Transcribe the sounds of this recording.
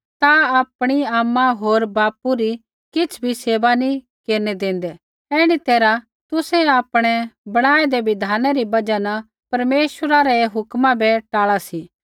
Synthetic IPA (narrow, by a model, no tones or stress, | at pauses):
t̪aap̚ɽ̃iaːmːãɦoːɾbaːpuɾi | kɪt͡sʰbʱiseːʋanĩ | keːɾnɛd̪ẽːn̆d̪ɛ | ɛːɽ̃it̪eːɾa | t̪ʊsɛaːpɽ̃ɛbɐɽ̃aːɛd̪ɛʋɪd̪ʱaːnɛɾibɐd͡ʒanɐ | pɐɾmeːʃəɾaɾɛɦʊkmãbɛʈaːɭasi